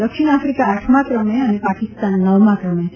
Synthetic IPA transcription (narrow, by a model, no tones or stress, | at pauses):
d̪əkʃiɳ̃afɾikaːʈʰmãkɾəmeənepakist̪anːəʋmãkɾəmẽ